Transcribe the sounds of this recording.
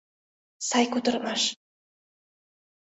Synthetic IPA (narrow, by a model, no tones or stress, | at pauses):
sɑjkut̪ɤ̆ɾmɑʃ